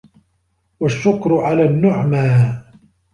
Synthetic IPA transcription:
waʃːʊkɾʕalaːnːʊʕmaː

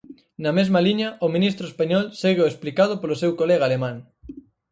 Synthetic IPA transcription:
nɐmezmaliɲɐʔomĩnist̪ɾoespaɲɔlseɣeoesplikað̞ʊpolosewkoleɣalemãŋ

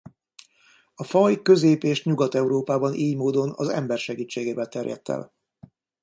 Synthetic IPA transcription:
ɒfɒjkø̞zeːpeːʃɲuɡɒt̪ɛuɾoːpaːbɒnʔiːɲmoːd̪o̞nɒ̰zɛ̰mbɛrʃɛɡiːt͡ʃːeːɡeːvɛlt̪ɛrjɛ̰t̪ːɛ̰l

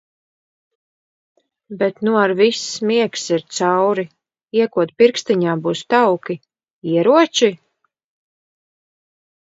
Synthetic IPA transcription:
bɛt̪nuaɾvismiɛksiɾt̪sawɾi | iɛkuɔt̪̚piɾkst̪iɲaːbuːst̪awki | iɛɾuɔt͡ʃi

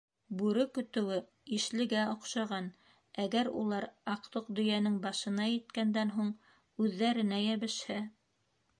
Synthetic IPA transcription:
bʉɾɵkɵ̆t̪ɘ̆wɘ | iʃlɘ̆ɡæŏqʃɑʁɑn | æɡæɾṵlˠɑɾɑqt̪oq̚d̪ɵ̆jænɘŋbɑʃɤ̆nɑjɘ̆t̪kænd̪ænɦuɴ | ʉðːæɾɘ̆næjæβɘ̆ʃhɘ

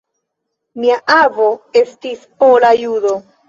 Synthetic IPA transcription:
miaʔavo̞e̞stispolajudo̞

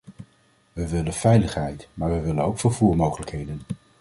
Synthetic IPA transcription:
ʋəʋɪlənv̥ɛjləχɦɛjtmaːɹʋəʋɪlənowkfəɹv̥uːɹmowχələkɦejdən

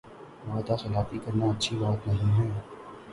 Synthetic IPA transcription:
ʋaːd̪axɐlaːt̪ikɐɾnaɐtːʃʰibaːt̪nɐɦĩmɦɛː

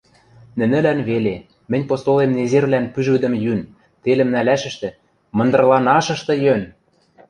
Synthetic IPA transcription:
nɘ̆nɘ̆lænβele | mɘ̆nʲpost̪olemnezerβlænpyʒβɘ̆d̪ɘ̆mjyn | t̪elɘ̆mnælæʃɘ̆ʃt̪ɘ̆ | mɤ̆nd̪ɤ̆rlɑnɑʃɤ̆ʃt̪ɤ̆jøn

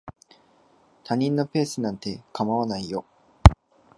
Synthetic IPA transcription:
t̪aɲ̟ĩnːope̞ːsɨnãnt̪e̞kʰamaβanaijo

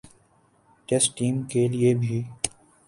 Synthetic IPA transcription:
ʈesʈiːmkeːlɪeːbʱiː

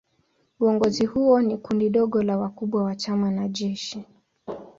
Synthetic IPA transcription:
uɔŋɡɔzihuɔnikundiɗɔɠɔlawakuɓwawat͡ʃamanaʄɛʃi

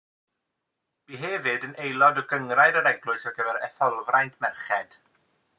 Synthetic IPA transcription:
b̥iɦeːvɪdənʔejlˠɔdɔɡəŋrajɾəɾɛɡlˠʊɨsɔrɡəvɛɾɛθɔlˠvrajndmɛrχɛd̥

